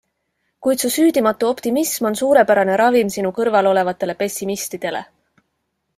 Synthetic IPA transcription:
kujt̪susyːd̪imɑt̪ːˑuo̞pt̪imismo̞nsuːɾe̞pæɾɑne̞ɾɑvimsinukɤrvɑlo̞le̞vɑt̪ːˑe̞le̞pe̞sʲːimist̪id̪̥e̞le̞̰

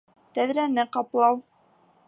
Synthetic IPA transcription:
t̪æðɾænɘqɑplˠɑw

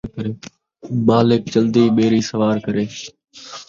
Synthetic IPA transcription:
kəɾeː | ɓaːlɪk̚t͡ʃəld̪iːɓeːɾiːsəʋaːɾkəɾeː

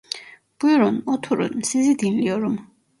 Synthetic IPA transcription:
b̥uɔɾɔnɔt̪ʰuɾṵnmsizid̪inliɔɾum

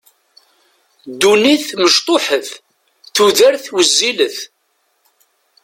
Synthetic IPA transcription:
d̪uniθməʃt̪ˤoħəθ | θuðəɾθwəzːiləθ

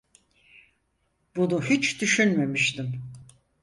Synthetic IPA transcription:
bunuhit͡ʃd̪yʃynme̞miʃt̪im

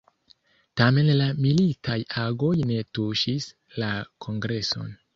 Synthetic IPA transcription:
tame̞nlamilitʰajaɡo̞jne̞tuʃis | lakʰo̞ŋɡɾe̞so̞̰n

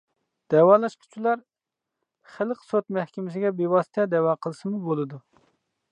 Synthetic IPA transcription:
d̪̥ɛwɑːlˠɑʃqʰʊ̥t͡ʃʰulˠɑɾ | χəlˠqsot̪mɛhkʲɪmɪs̬ɪɡʲɛbewɑsɪ̥t̪ʰɛd̪ɛwɑːqʰəlˠsɨmubolˠɨd̪u

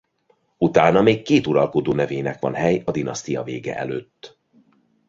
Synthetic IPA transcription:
ut̪aːnɒmeːkːeːt̪uɾɒlko̞d̪oːnɛveːnɛkʋɒ̰nɦɛjɒd̪inɒst̪ijɒveːɡɛ̰ʔɛ̰løːt̪ː

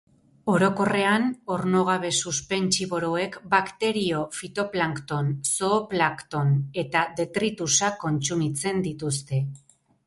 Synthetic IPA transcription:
o̞ɾo̞ko̞re̞ano̞ɾno̞ɣ̞aβe̞suspe̞nt͡ʃiβo̞ɾo̞e̞kbakt̪e̞ɾio̞fit̪o̞plaŋkt̪o̞nso̞ːplakt̪o̞ne̞t̪aðe̞t̪ɾit̪usako̞nt͡sumit͡se̞nd̪it̪us̬t̪e̞

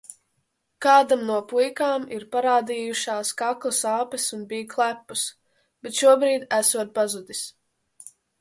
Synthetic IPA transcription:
kaːd̪amnuɔpujkaːmiɾpaɾaːd̪iːjuʃaːskaklˠasaːpɛsunbijklˠæpːus | b̥et̪ʃuɔbɾiːd̪æsuɔt̪̚pazud̪ʲis

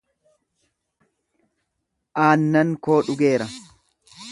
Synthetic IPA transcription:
ʔaːnːɐŋko̞ːᶑʊɡe̞ːɾɐ

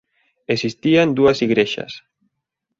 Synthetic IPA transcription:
esist̪iand̪uasiɣɾeʃɐ̰s

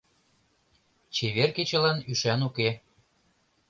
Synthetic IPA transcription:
t͡ɕeβerket͡ɕə̆lɑnyʃænuke

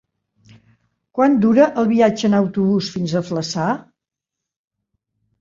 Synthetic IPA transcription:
kwand̪uɾəʔəlˠβiad͡ʒəːnəwt̪uβ̞usfinzəfləsa

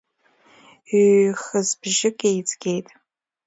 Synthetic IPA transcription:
iχəzbʒɪkʼejt͡sʰɡʲe̞jtʼ

